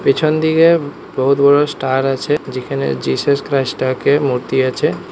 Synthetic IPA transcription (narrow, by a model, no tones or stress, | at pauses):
pit͡ɕʰond̪iɡe | bɔɦut̪bɔɽosʈaɾat͡ɕʰed͡ʑikʰanḛd͡ʑisuskɾajsʈakemuɾt̪iat͡ʃʰe